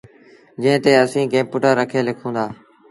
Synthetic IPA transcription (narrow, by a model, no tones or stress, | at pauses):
d͡ʒẽɦɪ̃t̪eːəsĩːkẽːpʊːʈəɾːəkʰeːlɪkʰũːnd̪aː